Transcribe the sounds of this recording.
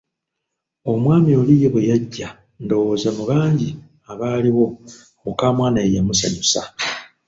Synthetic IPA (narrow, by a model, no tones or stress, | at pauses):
o̞mwaːmio̞lijeβwejaɟːa | ndo̞wozamuβaːɲɟi | aβaːliɣo̞ | okaːmwaːnaejamusa̰ɲusa̰